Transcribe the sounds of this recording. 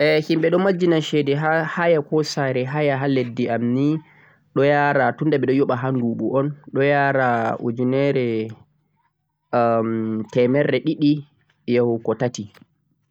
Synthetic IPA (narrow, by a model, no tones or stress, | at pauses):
ʔɛhimɓɛɗɔmad͡ʒːinaʃɛdɛɦahajakɔsaɾɛɦajaɦaledːiʔamni | ɗɔjaːɾatundaɓɛɗɔjɔɓaɦanduːɓṵʔɔnɗɔjaːɾaʔṵd͡ʒinɛɾɛ | mtɛmɛɾːɛɗiɗi | jawkɔtati